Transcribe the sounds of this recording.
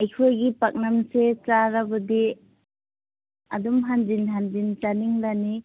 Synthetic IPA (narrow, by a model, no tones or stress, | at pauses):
ajkʰojɡipak̚namset͡ʃaɾabɯdi | adumɦand͡ʒinɦand͡ʒint͡ʃaniŋlani